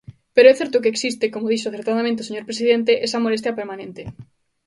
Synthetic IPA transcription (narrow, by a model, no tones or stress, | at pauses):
peɾoɛθɛɾt̪ʊkeːksist̪ekomoð̞iʃoaθeɾt̪aðamẽnt̪eoseɲoɾpɾesiðent̪̬eʔesɐmolest̪jɐpeɾmanẽnt̪e